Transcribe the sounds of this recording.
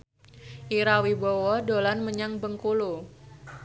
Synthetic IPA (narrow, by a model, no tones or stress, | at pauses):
ʔiɾawibowɔdolanməɲaŋbəŋkulu